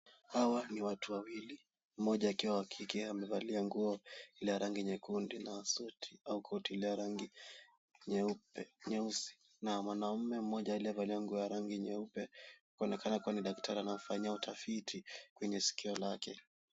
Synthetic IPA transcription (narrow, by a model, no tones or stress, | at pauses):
hawaniwatuwawili | m̩mɔʄaːkiwawakʰikɛamɛvaliaŋɡuɔilɛjaɾaŋɡiɲɛkundinasɔtʰi̥aukʰɔtilɛjaɾaŋɡi | ɲɛupɛɲɛusi̥ | namwanam̩mɛm̩mɔʄailiavaliaŋɡuɔjaɾaŋɡiɲɛupɛhkɔnɛkʰanakuwaniɗaktʰaɾianaɔfaɲiautʰafitʰikwɛɲɛsi̥kiɔlakɛ